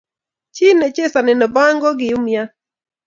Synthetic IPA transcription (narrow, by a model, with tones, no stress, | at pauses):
t͡ʃɪ˦nɛ˨t͡ʃe˦sa˨nɛ˨nɔ˨ba˦ŋɡɔ˦ɡɪ˨ʊ˦mja˦